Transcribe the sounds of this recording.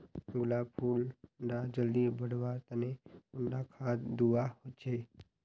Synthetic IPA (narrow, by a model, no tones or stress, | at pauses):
tuːlapʰuːlɾad͡ʒəlːibəɽʋaːɾt̪əneʊnɖakʰaːd̪uahot͡ʃʰe